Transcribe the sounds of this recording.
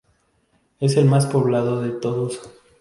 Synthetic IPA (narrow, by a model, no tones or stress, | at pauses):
e̞se̞lmaspo̞βlaðoðe̞t̪o̞ðos